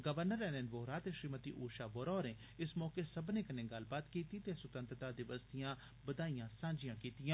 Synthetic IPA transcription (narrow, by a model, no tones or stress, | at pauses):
ɡəʋəɾnəɾɛːnenʋoːɾaːt̪eʃɾiːmət̪ḭːʔoːʃaːʋoːɾɔːɾeː | ɪsmɔːkeːsəbnẽːkənẽːɡəl̤baːt̪kiːt̪iːt̪eːsʊt̪ənt̪ɾət̪aːd̪ɪʋəst̪ijãː | bəd̪aːijãːsãːd͡ʒijãːkiːt̪ijãː